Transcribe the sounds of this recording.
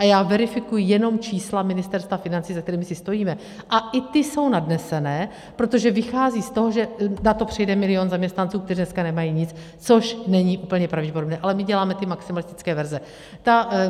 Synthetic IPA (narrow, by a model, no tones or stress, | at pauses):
ʔajaːvɛɾɪfɪkujɪjɛno̞mt͡ʃiːslamɪnɪst̪ɛɾst̪vafɪnant͡siːzak̚t̪ɛɾiːmɪsɪst̪o̞jiːmɛ | ʔaʔɪt̪ɪso̞wnadnɛsɛnɛː | pɾo̞t̪o̞ʒɛvɪxaːziːst̪o̞ɦo̞ʒɛnat̪o̞pr̝̥ɛjdɛmɪlɪonzamɲɛst̪nant͡suːk̚t̪ɛriːnɛskanɛmajiːɲɪt͡s | t͡so̞ʃnɛɲɪʔuːp̩ɲɛpɾavɟɛpoɾobnɛːʔalɛmɪɟɛlaːmɛt̪ɪmaksɪmalɪst̪ɪ̥t͡skɛːvɛɾzɛ | t̪a